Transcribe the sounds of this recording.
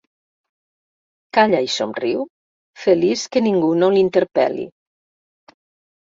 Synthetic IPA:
kaʎaisomriw | fəliskəniŋɡunolint̪əɾpɛ̰lḭ

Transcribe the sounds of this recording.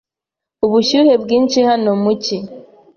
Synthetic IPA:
uβuʃuhebɡiːnt͡ʃihanomuci

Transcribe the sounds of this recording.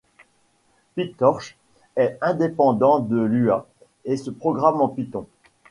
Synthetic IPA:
pit̪ɔʁʃ | ɛɛ̃d̪epɑ̃d̪ɑ̃d̪əlya | esəpχɔɡʁamɑ̃pit̪ɔ̃

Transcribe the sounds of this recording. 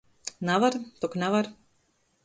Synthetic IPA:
navaɾt̪ɔknavaɾ

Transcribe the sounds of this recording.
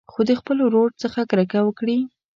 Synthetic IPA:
xod̪əxpəloɾoɖ̚t͡səxakɾəkawəkɽi

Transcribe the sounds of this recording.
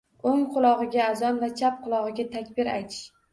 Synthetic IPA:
oŋqʰʊlˠɒʁɨɡʲaːzɒnvat͡ʃʰap̚qʰʊlˠɒʁɨɡʲat̪ʰakʲbɪɾa̰jt̪ʰɪ̥ʃ

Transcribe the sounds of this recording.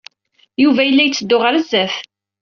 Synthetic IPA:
juvæjəlːæjət͡sːəd̪ːʊʁəɾəzːæθ

